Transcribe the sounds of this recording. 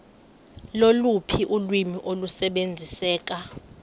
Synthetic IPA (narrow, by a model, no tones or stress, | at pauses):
lolupʰiʔulwimiʔolusɛɓend͡zʱisɛːk̬a